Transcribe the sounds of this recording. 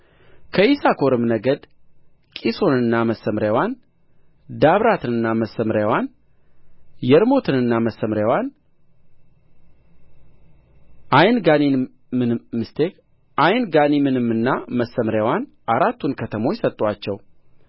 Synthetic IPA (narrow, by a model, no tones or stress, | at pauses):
kʰəisakʰo̞ɾɨmnəɡəd̪ | kʼiso̞nɨnːaməsːəmɾjawan | d̪aβɾat̪ʰɨnɨnːaməsəmɾjawan | jɛɾmo̞t̪ʰɨnɨnːaməsːəmɾjawan | ʔajnɡanin | mɨmɨst̪ʰek | ʔajnɡanimɨnɨmːɨnːaməsːəmɾjawan | ʔaɾat̪ʰːunkʰət̪ʰəmo̞jsət̪ʼːwat͡ʃːɛw